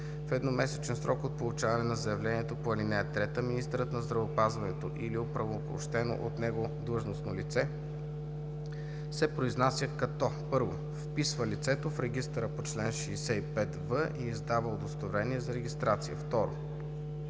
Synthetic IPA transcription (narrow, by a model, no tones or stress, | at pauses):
fɛd̪nomɛsɛt͡ʃɛnsɾʔɔkot̪̚polˠut͡ʃavɐnɛnɐzɐjɐvlɛniɛt̪opoɐlinɛɛt̪ɾɛt̪əminist̪ɛɾət̪nɐzd̪ɾɐvoːpazvɐnɛt̪oʔiliopɾɐvopo̰ʃt̪ɛno̰ʔot̪nɛɡod̪lˠɤʒnosnolit̪sɛ | sɛpɾoiznasjəkɐt̪ɔpɤɾvo̰ | fpisvəlit̪sɛt̪ofɾɛɡist̪əɾəpot͡ʃlɛnʃiːsɛipɛt̪vəʔiːzd̪avəod̪ost̪ovɾɛniɛzɐɾɛɡʲist̪ɾat̪sijə̰ft̪ɔɾo̰